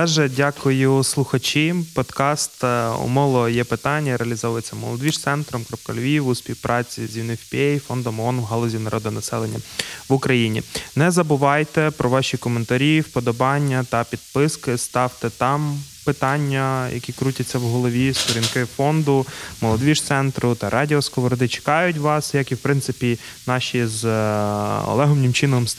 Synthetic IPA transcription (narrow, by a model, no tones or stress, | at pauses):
t̪ɛʒɛdʲakʊjʊslˠʊxɐt͡ʃɪpɔd̪kɑst̪ɔ̰mɔlˠɔjɛpɪt̪ɑnʲːɐɾeɐlʲizɔʋjet͡sʲːɐmɔ̰lˠɔd̪ʋʲiʃt̪sɛnt̪ɾɔmkɾɔp̚kɐ̰lʲʋʲiwʊspʲiwpɾʔɑt͡sʲizʲiwnɪwʲpʲiɛjfɔnd̪ɔmɔnwɦɔlˠɔzʲinɐɾʔɔd̪ɔnɐsɛlˠenʲːɐ̰ʋʊkɾɐjinʲḭnɛzɐbʊʋɑjt̪ɛpɾɔʋɑʃʲikɔment̪ɐɾʲiwpɔd̪ɔbɑnʲːɐt̪ɐpʲid̪̚pɪskɪst̪ɑwt̪ɛt̪ɑm | pɪt̪ɑnʲːɐjɐ̰kʲikɾutʲɐt͡sʲːɐwɦɔlˠɔʋʲist̪ɔɾʲinkɪfɔnd̪ʊmɔlˠɔd̪ʋʲiʃt̪sɛnt̪ɾʊt̪ɐɾʔɑdʲiɔskɔʋɔɾɔd̪ɪt͡ʃɪ̥kɑjʊt̬ʲʋɑsjɐkiwpɾɪnt̪sɪpʲi | nɑʃʲiz | ɔ̰lˠɛɦɔmnʲɪmt͡ʃɪnɔm